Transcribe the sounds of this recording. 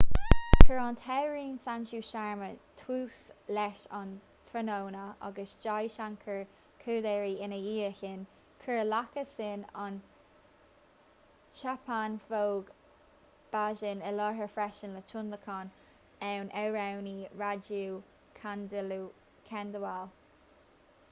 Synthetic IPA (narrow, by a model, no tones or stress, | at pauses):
kʰəɹɔnt̪ʰɛɹiːnsant͡ʃuʃaɹmət̪ʰuːslɛʃɑn | t̪ʰɾənownəɑ̰ɡəsd͡ʒajʃaŋkʰəɹ | kʰəd̪ɛɹiɪnəiːəçɪn | kʰəɹlakəsɪnɔn | ʃapʰanfowɡ | b̥aʒɪnɪlɔɹɦəɹfɹɛʃənlət͡ʃʰʊnləkʰɔn | ɛwnʔɛwɹawniɹad͡ʒuː | kʰandlu | kʰɛnd̪əwal